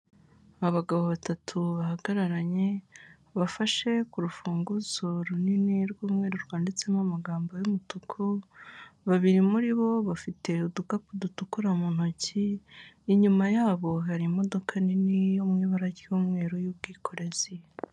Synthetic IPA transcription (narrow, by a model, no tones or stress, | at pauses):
aβaɡaβo̞βatatʰuβahaɡaɾaɾaɲe̞ | βafaʃe̞kuɾufuːŋɡuzo̞ɾuniniɾɡuːmŋe̞ːɾoɾɡwaːndit͡se̞mamaɡaːmbo̞jumutukʰu | βaβiɾimuɾiβo̞βafite̞udukapudutukuɾamon̥ociː | ɲumajaːβo̞ɦaɾimo̞do̞kʰaninijo̞mŋiːβaɾaɟjuːmŋe̞ːɾojubɡiːkʰo̞ɾe̞z̥i